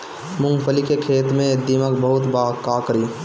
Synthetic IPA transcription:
mʊ̃ŋɡpʰəlikekʰeːt̪mẽd̪iməkbəɦʊt̪baːkaːkɾiː

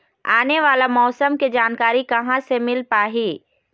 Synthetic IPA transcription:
aːneʋaːlamɔːsəmked͡ʒaːnkaːɾikɐɦãsemɪlpaːɦiː

